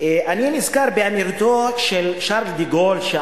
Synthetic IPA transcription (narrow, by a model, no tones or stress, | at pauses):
eʔaninizkaʁbeamiʁt̪oʃelʃaʁld̪iɡolʃe